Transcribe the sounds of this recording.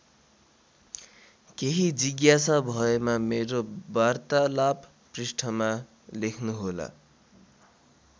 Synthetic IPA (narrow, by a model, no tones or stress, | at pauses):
keɦid͡ziɡjasabʱʌemameɾobart̪alap | prisʈʰʌma | lekʰnuɦola̰